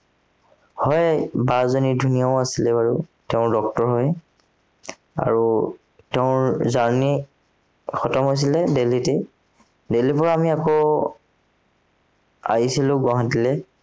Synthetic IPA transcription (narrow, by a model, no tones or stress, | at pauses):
hɔjbazonidʱunijaʊasilɛbaɹuteʊ̃dɔk̚tɔɹɦɔj | a̰ɹu | teʊ̃zaɹni | xɔtɔmɦojs̬ilɛdelitɛ | delipɔɹaamiakɔ | a̰ɦisilʊ̃ɡɔɦatilɛ